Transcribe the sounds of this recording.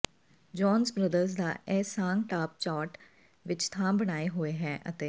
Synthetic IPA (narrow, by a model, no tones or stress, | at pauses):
d͡ʒɔːnzbɾəd̪əɾzd̪aːɛːsaːŋʈaːp̚t͡ʃaːʈ | ʋɪt͡ʃt̪ʰãːbəɽ̃aːeɦoːeːɦɛːʔə̰t̪eː